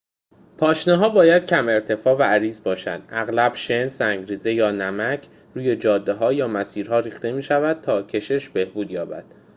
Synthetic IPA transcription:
pʰɒːʃneɦɒːbɒːjæd̪̥̚cʰæme̞ɾt̪ʰe̞fɒːvææɾiːzbɒːʃæ̰nd̪̥ʔæɣlæb̥ʃe̞nsæŋɟɾiːze̞jɒːnæmæcʰ | ɾuːje̞d͡ʒɒːd̪ːeɦɒːjɒːmæsiːɾɦɒːɾiːxt̪e̞miːʃævæd̪̚t̪ʰɒːcʰe̞ʃe̞ʃb̥e̞hbuːd̪jɒːbæ̰d̪̥

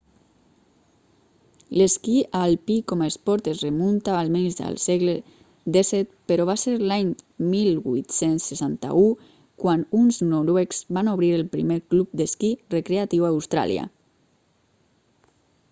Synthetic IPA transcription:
leskiʔalpikɔmaespɔɾt̪ezremunt̪aːlmenzd̪ə̰lsɛɣle | d̪esɛt̪̚peɾɔβaseɾlaɲmilbujt̪sensːesant̪a̰u | kwanunznoɾwekz̥βanoβɾiɾelpɾḭmeɾklup̚d̪eskirekɾeat̪iwaːwst̪ɾa̰lj̰a̰

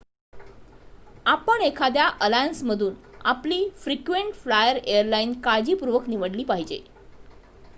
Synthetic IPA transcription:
apəɳekʰad̪jaʔəlajənsməd̪ʱuːna̰pliːfɾikʋeɳʈflajəɾejəɾlainkad͡ʑiːpuɾʋəkniʋəɽliːpaɦid͡ʑḛ

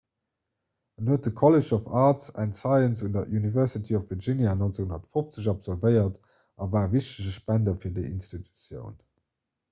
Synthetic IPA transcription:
ənuət̚əkʰɔleʃɔfaːtsæntsɑɪənsundɐʔunivɛɐʁsitʰiɔfv̥əʒinjanɔnt͡səɡhunɐtfoft͡səɕ̬ɑpz̥ɔlvəɪɐt | ɑvaːviɕtəʑəʃpændɐfiːɐdəʔḭnstitʰu̥t͡sjə̰ʊn

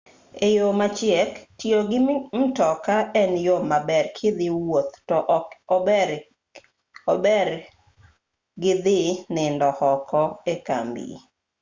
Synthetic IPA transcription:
ejomat͡ʃɪɛktjoɡɪm̩tɔkaɛnjomabɛrkʰɪd̪ɪwot̪tɔʔ | obɛɾ | ɡɪd̪ɪnɪndɔhɔkʰɔeka̰mbḭ

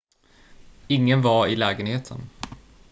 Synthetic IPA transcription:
ɪŋːənvaɾɪlɛːɡənheːt̪ʰə̰n

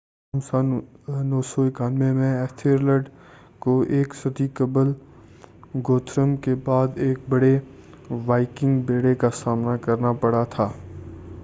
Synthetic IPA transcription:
msanoːsoɪkaːlmẽmẽɛːt̪ʰiːɾləɖ | koʔeːksɐt̪ikəbəl | ɡoːt̪ʰɾəmkebaːd̪eːk̚bɐɽe | ʋaːɪkɪ̃ŋɡbeːɽekasaːmnakɐɾnapɐɽat̪ʰaː

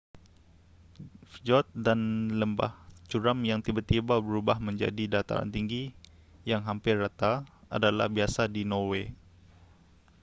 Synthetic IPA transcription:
fd͡ʒɔt̪̚danləmba̰ht͡ʃuɾamjaŋt̪ibat̪ːibabəɾubahməɲd͡ʒa̰didat̪a̰ɾa̰nt̪iŋɡi | jaŋɦampɪrrat̪aa̰dala̰hbiasadinowe

